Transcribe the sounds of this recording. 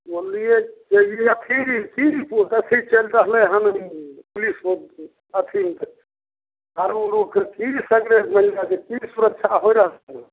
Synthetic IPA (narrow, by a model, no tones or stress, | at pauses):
bolijɛd͡ʒejiət̪ʰikipuʈət̪ʰit͡ʃəlɾəɦlɛɦənpulispo | ət̪ʰimt̪ | kaɾoloɡkekisəɡɾesməlnad͡ʒekisuɾətːʃʰaɦojɾəɦln